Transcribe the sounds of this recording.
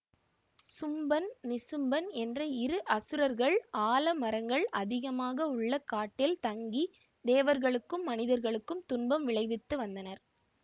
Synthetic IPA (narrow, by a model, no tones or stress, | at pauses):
sʊmbɐnnɪsɯmbɐnɛndrɐɪɾɯʔɐsɯɾɐɾɣɐɭaːlɐmɐɾɐŋɡɐɭʔɐðɪɣɐmaːɣɐʊɭːɐkaːʈːɪlt̪ɐŋɡi | d̪eːʋɐɾɣɐɭɯkːɯmːɐnɪðɐɾɣɐɭɯkːɯmt̪ʊnbɐmʋɪɭɐɪʋɪt̪ːɯʋɐnd̪ɐnɐɾ